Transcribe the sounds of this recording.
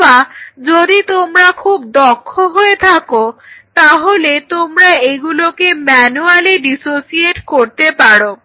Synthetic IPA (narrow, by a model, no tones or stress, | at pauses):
ad͡ʑod̪it̪omɾakʰub̚d̪ɔkʰːoɦoet̪ʰakot̪aɦolet̪omɾaeɡulokemɛnualiɖisosieʈkoɾt̪epaɽo